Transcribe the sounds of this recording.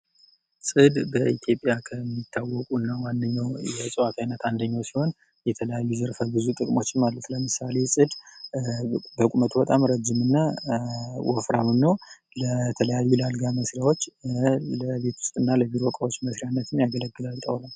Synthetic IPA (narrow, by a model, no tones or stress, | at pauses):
sʼɨd̪bəʔit̪ʰjo̞pʼjakʰəmːit̪ʰːawɔkʼunːawandəɲːawjɛsʼɨwat̪ʰajnət̪and̪əɲːawsiho̞n | jɛt̪ʰələjajːuzəɾfəbɨzut̪ʼɨkʼmo̞t͡ʃːɪnmalːət̪ləmɨsale̞sʼɨd̪ | bəkʼumət̪ʰubət̪ʼamɾəd͡ʒːɪmɨnːa | wɔ̰fɾamɨnːəw | lət̪ʰələjajːulalɡaməsɾjawot͡ʃːləβe̞t̪wʊst̪ʼɨnːaləbiɾoɔkʼawo̞t͡ʃːməsɾijanːət̪ʰɨmjaɡələɡːɨlalt̪ʼəwlal